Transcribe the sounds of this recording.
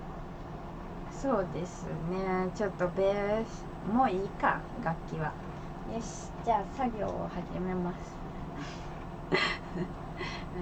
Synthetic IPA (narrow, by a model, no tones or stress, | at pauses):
so̞ːd̪e̞sɨnet͡ɕo̞t̪ːo̞bes | moːiːka̰ | ɡakʲːiβa̰ | jeɕi̥d͡ʑaːsaɡʲo̞̰ːhaʑime̞masɨ̥